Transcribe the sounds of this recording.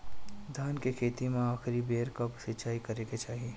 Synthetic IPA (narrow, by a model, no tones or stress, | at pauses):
d̪ʱaːnkekʰeːt̪imẽaːxɾibeːɾkɐpsɪt͡ʃaːikɐɾeːket͡ʃaːɦieː